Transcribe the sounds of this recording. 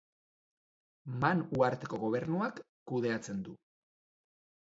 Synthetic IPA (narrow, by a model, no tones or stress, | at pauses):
manuaɾt̪e̞ko̞ɣo̞β̞e̞ɾnuakː | uð̞e̞at͡se̞nd̪u